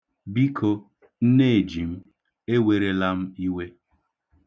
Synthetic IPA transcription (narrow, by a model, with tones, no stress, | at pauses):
bi˦kʰo˦ | n̩˦ne˦e˨d͡ʒi˨m̩˦ | e˦we˨ɾe˦la˦m̩˦i˦we˦